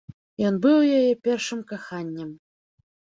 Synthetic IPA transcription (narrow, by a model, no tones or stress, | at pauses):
jɔnbɨwjajɛpʲɛrʂɨmkaxanʲːɛm